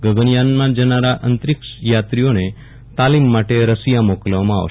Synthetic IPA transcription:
ɡəɡənjanmãd͡ʒənaɾaʔənt̪ɾɪkʃjat̪ɾijone | t̪alimːaʈeɾəsijamoklʋmãa̰ʋ

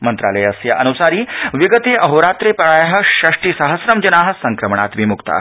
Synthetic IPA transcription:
mɐnt̪ɾa̰ːləjɐsjɐʔɐnusaːɾiːʋiɡət̪eʔɐɦoɾaːt̪ɾepɐɭaːjaɦɐʃɾɐʂʈiːsɐɦəsɾɐmd͡ʒɐnaːɦɐ̆sɐŋkɾɐmɳa̰t̪ʋimukt̪a̰ː

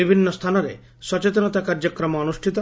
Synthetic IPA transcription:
ibʱinːɔst̪ʰanɔɾḛ | sɔt͡ʃet̪ɔnɔt̪akaɾd͡ʒɔkɾɔmɔɔnusʈʰit̪ɔ

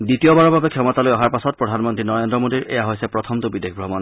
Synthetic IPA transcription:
ditijɔbaɹɔbʱabɛkʰɛmɔtalojɔɦaɹpasɔt̚pɹɔdʱanmɔntɹinɔɹendɹɔmodiɹʔɛ̰jaɦojsɛpɹɔt̪ʰɔmt̪ʊbidekʰbʱɹɔmɔn

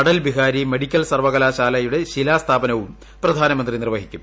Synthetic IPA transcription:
ɐɽɐlbiɦaːɾime̞ɽikʲːɐlsɐrʋɐɣɐlaːɕaːlɐjuɽe̞ɕilaːst̪ʰaːbɐnɐʋum | prɐd̪ʱaːnɐmɐnd̪rinirʋɐɦikʲːum

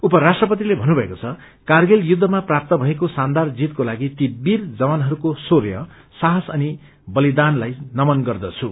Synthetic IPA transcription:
upʌɾasʈrʌpʌt̪̬ilebʱʌnubʱʌekot͡sʰʌ | karɡeljud̪ʱːʌmaprap̚t̪ʌbʱʌekosand̪ard͡zit̪̚kolaɡit̪ibːird͡zʌwanɦʌɾukosorjʌ̰ | saɦʌsʌni | bʌlid̪anlajnʌmʌnɡʌrd̪ʌt͡sʰu

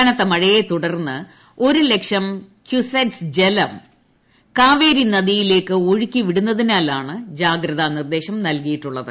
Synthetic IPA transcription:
ɐnɐt̪ːɐmɐɻɐjet̪uɽɐrnːɨ | o̞ɾule̞kʂɐm | kʰjuseʈsd͡ʑelɐm | kaːʋe̞ːɾinɐðijile̞ːkːɨoɻikʲːiʋiɽunːɐðinaːlaːɳɨd͡ʑaːɡɾɐðanird̪e̞ːɕɐmnɐlkɐjiʈːuɭːɐðɨ

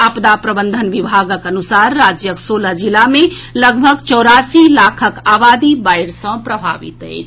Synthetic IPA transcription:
apd̪apɾəbənd̪ʱənʋibʱaɡəkənusaɾːad͡ʒjəksoːləd͡ʒilameləɡbʱəɡt͡ʃɔːɾasilakʰəkaːbaːd̪ibaɪɾsə̃pɾəbʱa̰ʋḭt̪ɦɛ̰ɪt͡ʃʰ

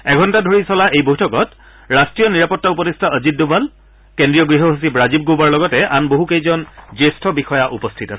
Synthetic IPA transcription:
ɛɡʱɔntadʱoɹisɔlaʔejbojtʰɔkɔt | ɹastɹijɔniɹapɔtːaupɔtistʰaʔəzit̚dubʱal | kendɹijɔɡɹiɦɔɦus̬ibɹazib̚ɡobaɹlɔɡɔtɛʔanboɦukejzɔnzestʰɔbixɔjaʔupɔstʰitasɛ

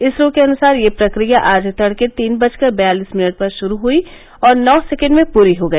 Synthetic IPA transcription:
ɪsɾoːkeɐnʊsaːɾjepɾɐkɾijaʔaːd͡ʒt̪ɐɽket̪iːnbɐt͡ʃkɐɾbɐjaːliːsmɪnəʈ̚pɐɾʃʊɾuɦui | ɔːɾnɔːsɛkə̃ɳɖmẽpuːɾiɦoɡɐi

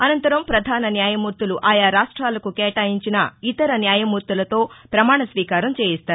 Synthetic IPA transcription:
ɐnɐnt̪ɐɾɐmpɾɐd̪ʱaːnɐnjaːjɐmuːɾt̪uluʔaːjaːɾaːʂʈɾaːlɐkukɛːʈaːjiɲt͡ʃinɐit̪ɐɾɐnjaːjɐmuːɾt̪ulɐt̪o̞ːpɾɐmaːɳɐsʋiːkaːɾɐmt͡ʃeːjist̪aːɾu

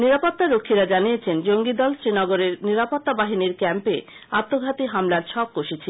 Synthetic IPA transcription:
niɾapot̪ːaɾokʰːiɾad͡ʑanijet͡ɕʰend͡ʑoŋɡid̪ɔlsɾinɔɡoɾeɾniɾapot̪ːabaɦiniɾkɛmpe | at̪ːoɡʱat̪iɦamlaɾʃʰɔk̚koʃet͡ɕʰi

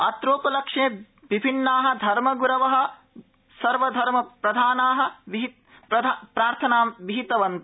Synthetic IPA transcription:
ɐ̰t̪ɾoːpɐlɐkʂẽː | ʋibʱinːaːɦɐ̆d̪ʱɐɾmɐɡuɾɐʋɐɦɐ̆ | sɐɾʋɐd̪ʱɐɾmɐpɾɐd̪ʱaːnaːɦɐ̆ʋiɦi | ɐd̪pɾaːɾt̪ʰɐnaːmʋiɦit̪ɐʋɐnt̪u

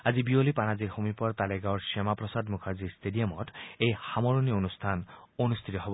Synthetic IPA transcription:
azibiolipanaziɹxomipɔɹt̪aleɡaɔɹsemapɹɔsad̪mukʰaziɹstʰeɖijamɔtejxamɔɹonionust̪ʰanonust̪ʰit̪ɔɦɔbɔ

